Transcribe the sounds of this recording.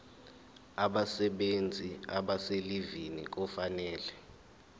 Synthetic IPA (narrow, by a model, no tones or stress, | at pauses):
aɓasɛɓend͡zʱiaɓaselivinḭk̬ɔfanɛːlɛ